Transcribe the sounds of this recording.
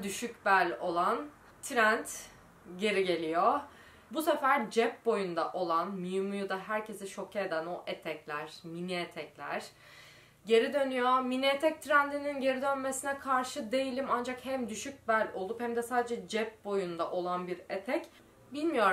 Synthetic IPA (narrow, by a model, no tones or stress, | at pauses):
d̪yʃycbælʲo̞lˠan | t̪ʰɾænt̪ | ɟe̞ɾiɟe̞lʲijo | busefæɾd͡ʒɛp̚bo̞jund̪aʔo̞lˠanmijumujud̪aɦæɾcʰe̞sɛʃo̞cʰeːd̪ænoʔet̪ʰɛclʲæɾ̥miniet̪ʰɛclʲæ̰ɾ̥ | ɟe̞ɾid̪ø̞nyjominiet̪ʰɛc̚t̪ʰɾænd̪ininɟe̞ɾid̪ønme̞sinɛkʰaɾʃɯd̪e̞jilʲimand͡ʒakhɛmd̪yʃyc̚bælʲo̞lˠuphɛmd̪ɛsaːd̪e̞d͡ʒɛd͡ʒɛp̚bo̞jund̪aʔo̞lˠanbiɾet̪ʰɛc | bilʲmijo̞ɾ